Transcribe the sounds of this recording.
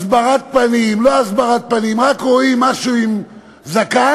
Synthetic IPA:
sbaʁat̪̚panimloazbaʁat̪̚panimʁakʁoimaʃuim | zaka

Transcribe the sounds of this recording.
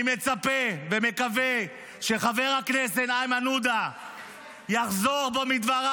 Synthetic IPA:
met͡sapeveme̞kave | ʃe̞χave̞ʁhaknesetajmanud̪a | jaχzo̞ʁbo̞mid̪vaʁa

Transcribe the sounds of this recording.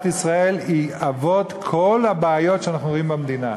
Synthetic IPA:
t̪isʁae̞liavo̞t̪kʰo̞lhabeːjo̞tʃeanaχnuoimbamd̪ina

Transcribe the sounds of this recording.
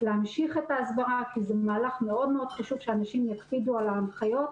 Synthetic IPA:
leamʃiχet̪aːsbaʁakizemaːlaχme̞o̞dme̞o̞d̪̥χaʃuvʃeanaʃimjatpidualamχajo̞t

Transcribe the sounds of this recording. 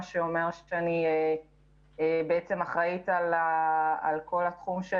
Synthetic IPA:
ʃeomeʁʃanie | beet͡se̞maχʁaitalaalko̞lat̪χumʃe

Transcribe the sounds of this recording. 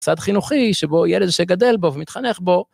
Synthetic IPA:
t͡sad̪χinuχiʃebojɛled̪ʃeɡad̪elbovemit̪χaneχbo̞

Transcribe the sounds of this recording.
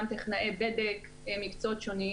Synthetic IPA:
mt̪eχnaebed̪ek | mikt͡sot̪ʃoni

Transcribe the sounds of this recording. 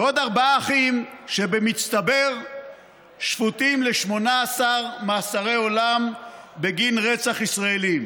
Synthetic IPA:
od̪aʁbaaːχimʃebemist̪abe̞ʁ | ʃfut̪imleʃmo̞naːsaʁmaːsaʁe̞jo̞lambeɡinʁet͡saχisʁaelim

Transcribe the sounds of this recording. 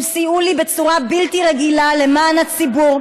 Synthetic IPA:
siulibe̞t͡suʁabiltiʁeɡilale̞maːnhat͡sibuʁ

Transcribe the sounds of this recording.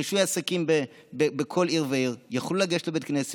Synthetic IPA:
iʃujaːsakimbe | bebekʰo̞liʁveiʁjaχlulaɡeʃlobet̪knese

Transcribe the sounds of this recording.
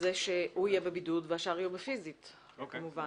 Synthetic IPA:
zeʃehuijebebidudveaʃaʁijubefizit | kamuva

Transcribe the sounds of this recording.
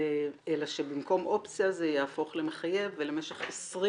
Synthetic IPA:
elaʃebimko̞mʔo̞pt͡sijazejaːfo̞χlemeχaje̞vːelemeʃeχesʁi

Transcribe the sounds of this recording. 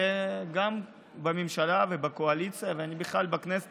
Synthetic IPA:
eɡam | bamemʃalavebakoalit͡sijaveanibiχlalbaknes

